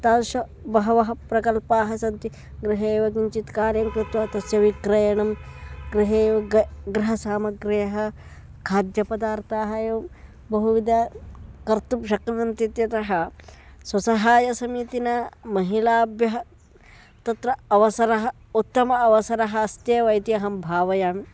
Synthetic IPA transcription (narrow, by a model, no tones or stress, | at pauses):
t̪aːnʃɐ | bɐɦɐʋɐɦɐpɾɐkɐlpaːɦɐsɐnt̪i | ɡɾiɦeːʋɐɡiɲt͡ʃit̪kaːɾjɐmkɾɪt̪ʋɐt̪ɐsjɐʋikɾɐjɐɳɐmɡɾiɦeːʋɐɡɾɐɦɐsaːmɐɡɾejɐɦɐ | kʰaːd̪jɐpɐd̪aːɾt̪aːɦɐjɐ | bɐɦuʋid̪ɐkɐɾt̪upʃɐkɾɐnɐnt̪it̪jɐt̪ɐɦɐ̆swɐsɐɦaːjɐsɐmiːt̪inɐmɐɦilaːbjɐɦɐ | t̪ɐt̪ɾɐɐʋɐsɐɾɐɦɐ | ut̪ːɐmɐɐʋɐsɐɾɐɦɐːst̪jeːʋɐjt̪iɐɦɐmbʱaːʋɐjaːm